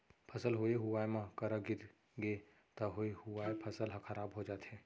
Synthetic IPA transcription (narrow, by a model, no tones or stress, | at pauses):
pʰɐsəlɦoeɦʊwaːjmãkəɾəɡɪɾ | ɡe | t̪ɐɦoehʊʋaːepʰəsəlɦkʰəɾaːbɦod͡ʒaːt̪ɦɛː